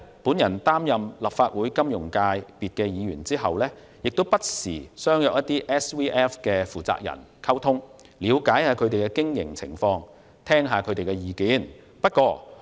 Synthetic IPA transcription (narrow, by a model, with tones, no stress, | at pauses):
puː˨˥njɐ˨˩nt̪aː˥mjɐ˨mlɐ˨p̚faː˧t̚wuː˨˥jkɐ˥mjʊ˨˩ŋkaː˧jpiː˨t̚kɛː˧jiː˨˧ɥyː˨˩nt͡siː˥ɦɐ˨wlɛː˥ | jɪ˨k̚t̪o˥wpɐ˥t̚sḭː˨˩sœː˥ŋjœː˨k̚jɐ˥t̪ːiː˥ʔɛː˥swiː˥ʔɛ˥fkɛː˧fuː˨˩t͡sa̰ː˧k̚jɐ̰˨˩n | kʰɐ˥wt̪ʰʊ˥ŋ | liː˨˧wkaː˨˥jhaː˨˧kʰɵ˨˧t̪e˨˩jkɛː˧kɪ˥ŋjɪ̰˨˩ŋt͡sʰɪ̰˨˩ŋfɔː˧ŋ | t̪ʰɛː˥ŋɦaː˨kʰɵ˨˧ɥt̪e˨jkɛ˧jiː˨kiː˨˥n | pɐ˥t̚kʷɔː˧